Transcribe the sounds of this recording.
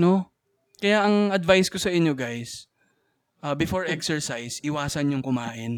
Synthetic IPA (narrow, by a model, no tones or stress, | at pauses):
no̞ | kɐjaʔɐŋʔɐd̪vajskosɐʔɪɲjo̞ɡajs | ʔɐbɪfoɹʔɛksɛɹsajsʔɪwaːsɐnɲʊŋkʊmaːʔɪn